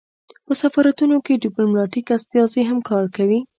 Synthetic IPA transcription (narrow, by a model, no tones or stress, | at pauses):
pəsafɑɾat̪unokeɖiplomnɑʈikast̪ijɑzeɦamkɑɾkawi